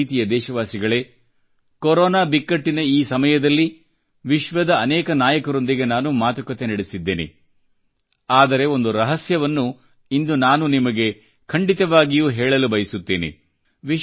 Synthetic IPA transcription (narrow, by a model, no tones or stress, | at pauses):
t̪ijɐd̪ɛːʃɐʋaːsiɡɐɭe̞ | koɾɔːnaːbikːɐʈːinɐiːsɐmɐjɐd̪ɐlːi | ʋiʃʋɐd̪ɐːnɛːkɐnaːjɐkɐɾo̞nd̪iɡe̞naːnumaːt̪ukɐt̪e̞nɐɽesid̪ːeːnḛ | aːd̪ɐɾe̞o̞nd̪uɾɐɦɐsjɐʋɐnːu | ind̪unaːnunimɐɡe̞ | kʰɐɳɖit̪ɐʋaːɡijuːɦɛːɭɐlubɐjɐsut̪ːeːnḛ | ʋi